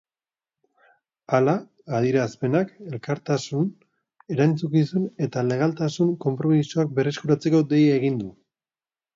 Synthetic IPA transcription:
alaː | ð̞iɾaspe̞nake̞lkaɾt̪asun | e̞ɾajnt͡sukisune̞t̪ale̞ɣ̞alt̪asuŋko̞mpɾo̞misoak̚be̞re̞skuɾat͡se̞ko̞d̪e̞jeɣ̞ind̪u

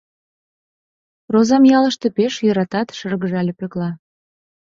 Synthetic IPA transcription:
rozɑmjɑlə̆ʃt̪ĕpeʃjøɾɑt̪ɑt̪ʃərɣəʒɑlʲepeklɑ

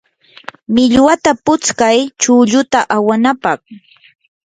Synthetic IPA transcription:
mɪʎwat̪apʊt͡skajt͡ʃʊːʎʊt̪aʔawanapɑχ

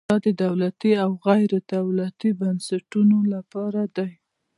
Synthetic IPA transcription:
ɑd̪əd̪awlat̪iawɣajɾed̪awlat̪ibansaʈunolapɑɾad̪aj

